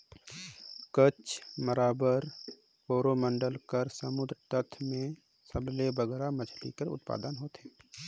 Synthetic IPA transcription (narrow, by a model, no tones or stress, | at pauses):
kət͡ʃməɾaːbəɾ | poːɾomə̃ɳɖəlkəɾsəmʊd̪ɾt̪ət̪ʰmẽ | səblebəɡɛːɾaməd͡ʒʰlḭkəɾʊ̰t̪̚pa̰ːd̪ənɦoːt̪ɦeː